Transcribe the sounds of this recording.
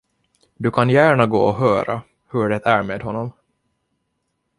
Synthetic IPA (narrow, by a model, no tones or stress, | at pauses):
d̪ɵkʰanjæːɳaɡo̰ːɔɦœːɾa̰ | hɵɖɛt̪æɾmeːd̪ɦɔnːɔm